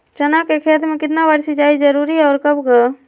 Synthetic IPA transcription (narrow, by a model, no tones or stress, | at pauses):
t͡ʃənakekʰeːt̪mẽkɪt̪nabəɾsid͡ʒaːid͡ʒəɾuːɾiɔːɾkəbɡə